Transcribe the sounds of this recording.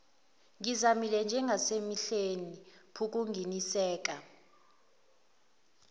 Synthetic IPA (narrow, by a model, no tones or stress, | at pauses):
ŋizamilɛnd͡ʒʱɛŋasemiɬenipʰuk̬ʼuŋɡinisɛːk̬ʼa